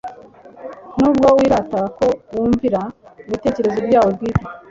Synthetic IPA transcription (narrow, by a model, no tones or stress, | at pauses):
n̥uːbɡowiːɾatako̞wuːɱviɾauβite̞ːce̞ɾe̞zobɟaːwobɡiːti